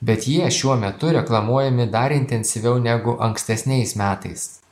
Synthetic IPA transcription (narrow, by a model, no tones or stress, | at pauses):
bʲɛt̪jiɛʃʲuɔmʲɛt̪ʊɾʲɛklˠɐmuɔjɛmʲɪd̪ɐɾɪnʲt̪ʲɛnʲsʲɪʋʲɛʊnʲæɡʊʔɐŋksʲt̪ʲɛsʲnʲɛɪsmʲæːt̪ɐɪs